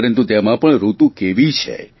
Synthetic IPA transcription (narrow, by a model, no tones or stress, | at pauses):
ɾənt̪ut̪emãpəɳɾut̪ũkeʋit͡ʃʰḛ